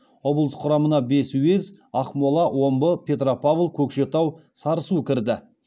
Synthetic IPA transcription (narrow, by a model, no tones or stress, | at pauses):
o̞blˠəsqʰʊɾɑmənɑbe̞suwe̞z | ɑqmolˠɑwʔo̞mbəpʲʰe̞t̪̬ropʰavlˠkʲʰɵkʃe̞t̪ɑwsɑɾəsukʲʰɪɾd̪ɪ